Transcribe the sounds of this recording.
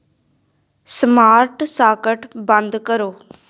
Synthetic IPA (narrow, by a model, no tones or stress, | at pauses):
smaːɾʈsaːkəʈbənd̪kəɾoː